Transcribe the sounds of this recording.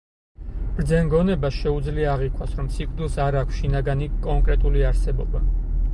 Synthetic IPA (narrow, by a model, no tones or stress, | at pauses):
b̥ɾd̪zɛnɡɔnɛbasʃɛud̪zliaːʁikʼwasɾɔmsikʼɾd̪ilˠsaɾakʷʰsʃinaɡanikʼɔŋkʼɾɛt̪ʼuliaɾsɛbɔba